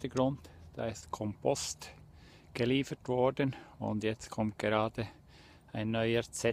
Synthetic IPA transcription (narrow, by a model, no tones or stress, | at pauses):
təɡʁʊntd̥a̰ːɪstkʰɔmpʰɔst | ɡ̥eliːfətv̥ɔɹdənʊ̰ndjɛt͡stkʰɔmt̚ɡ̥eʁaːd̥ə | aɪnːɔʏət͡sɛ